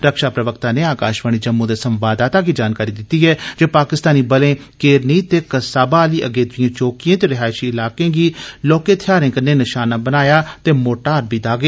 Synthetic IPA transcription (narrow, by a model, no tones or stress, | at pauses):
ɾəkʃaːpɾəʋəkt̪ãːneːaːkaːʃʋəɳ̃iːd͡ʒəmːũːd̪eːsəmʋaːd̪aːt̪aːkiːd͡ʒaːnkaːɾiːd̪ɪt̪iːɦɛːd͡ʒeːpaːkɪst̪aːniːbəlẽː | keːɾniːt̪eːkəsaːbaːliːʔəɡeːd̪ʊɪjãːt͡ʃoːkijãːt̪eːɾɪɦaːʃiːɪlaːkẽːɡiːloːkeːt̪ʰɪjaːɾẽːkənːeːnɪʃaːnaːbənaːjaːt̪eːmoːʈaːɾbiːd̪aːɡeː